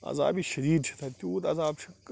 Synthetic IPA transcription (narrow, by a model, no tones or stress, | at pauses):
ɐ̰za̰ːbiʃɐd̪iːd̪ʃʰi̥t̪ʰɐt̪ʲuːt̪ɐzaːbʃɐk